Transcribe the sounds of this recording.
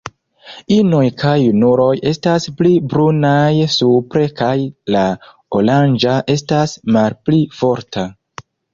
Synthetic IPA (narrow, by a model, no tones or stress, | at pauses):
ino̞jkʰajunuɾo̞je̞stasplibɾunajsupɾe̞kajla | oland͡ʒaʔe̞stasmalplifo̞ɾta